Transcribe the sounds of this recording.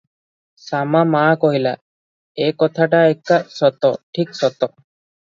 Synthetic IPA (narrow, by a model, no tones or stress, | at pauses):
samamakɔɦila̰ | ekɔt̪ʰaʈaekːasɔt̪ɔʈʰiksɔt̪ɔ